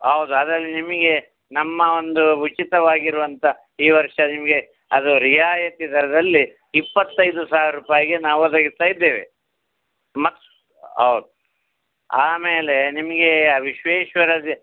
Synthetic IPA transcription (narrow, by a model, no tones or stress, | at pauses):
ɦɐwud̪uɐd̪ɾɐlːinimɐɡe̞ | nɐmːɐo̞nd̪uut͡ʃit̪ɐʋaːɡiɾuʋɐnt̪ʰɐ | iːʋɐɾʂɐnimɐɡe̞ | ɐd̪uɾijaːjɐt̪id̪ɐɾɐd̪ɐlːi | pːɐt̪ːɐjd̪usaːʋiɾɐɾuːpaːjiɡenaːʋuɐd̪ɐɡist̪aːjid̪ːeːʋḛ | mɐt̪ | ɦɐ̰wud̪u | aːmeːle̞nimɐɡe̞ʋiʃʋeːʃʋɐɾɐd̪i